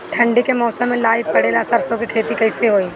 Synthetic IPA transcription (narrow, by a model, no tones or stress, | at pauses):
ʈʰə̃ɳɖekemɔːsəmːẽlaːipɐɽeːlasɐɾsõkeikʰeːt̪ikɐɪseɦoːiː